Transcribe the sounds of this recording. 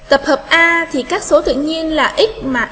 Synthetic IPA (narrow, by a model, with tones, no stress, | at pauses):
t̪ə˨˩p̚həː˨˩p̚ʔaː˧t̪ʰi˨˩kaː˦˥k̚so˨˦t̪ɨ̰˧˨əɲi˧ənlaː˨˩ʔi˦˥k̚maː˨˩